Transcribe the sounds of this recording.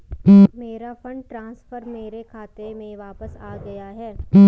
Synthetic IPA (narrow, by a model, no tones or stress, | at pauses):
meːɾafɐ̃ɳɖ̚ʈɾãːsfəɾmeːɾekʰaːt̪emẽʋaːpəsaːɡɐjaɦɛː